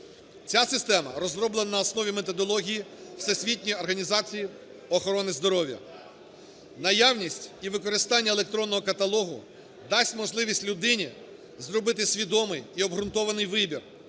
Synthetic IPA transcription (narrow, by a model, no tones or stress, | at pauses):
t͡sʲasɪst̪ɛmɐ̰ɾɔzrɔblˠenɐnɐɔsnɔʋʲimet̪ɔd̪ɔlˠɔɦʲijiwsesʲʋʲit̚ʲnʲijɔrɦɐnʲizɑt͡sʲiji | ɔxɔɾɔnɪzd̪ɔɾɔʋʲjɐ̰ | nɐjawnʲisʲtʲiʋɪkɔɾɪst̪ɑnʲːɐelˠek̚t̪ɾɔnːɔɦɔkɐt̪ɐlˠɔɦʊ̰ | d̪ɑsʲtʲmɔʒlˠɪʋʲisʲtʲlʲʊd̪ɪnʲi | zrɔbɪt̪ɪsʲʋʲid̪ɔmɪjiɔbɦɾʊnt̪ɔʋɐnɪjʋɪbʲir